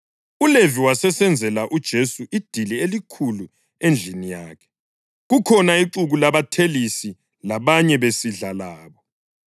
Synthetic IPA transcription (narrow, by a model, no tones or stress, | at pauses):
uleviwasɛsɛnd͡zʱɛlaʔud̥ʒ̥ʱesuʔid̥ʱilielikʰulu | end͡ɮʱinijaːkʰɛ̥ | ɣukʰɔnaiǀuɣulaβatʰelisi | laβaɲɛβesiɮalaːβɔ